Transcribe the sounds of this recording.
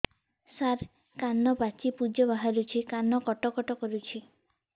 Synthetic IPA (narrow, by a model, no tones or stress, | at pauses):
saɾ | kanɔbat͡ʃipud͡ʒɔbaɦaɾut͡ʃʰikanɔkɔʈɔkɔʈɔkɔɾut͡ʃʰi